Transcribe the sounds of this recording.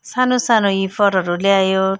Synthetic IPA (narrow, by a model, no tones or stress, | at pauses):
sanosanoifʌɾʌɾuleajo